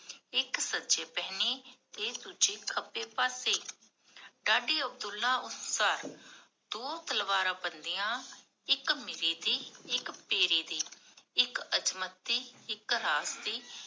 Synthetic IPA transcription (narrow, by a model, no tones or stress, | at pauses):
ɪksəd͡ʒeːpɛːneːt̪eːd̪uːd͡ʒeːkʰəpːeːpaːseː | ɖaːɖiːəb̚d̪ʊlːãːʊssaːɾ | d̪̥oːt̪əlʋaːɾãːbənd̪iːjãː | ɪkmɪɾiːd̪iːɪkpeːɾiːd̪iːɪkət͡ʃmət̪ːiːɪkɾaːsd̪iː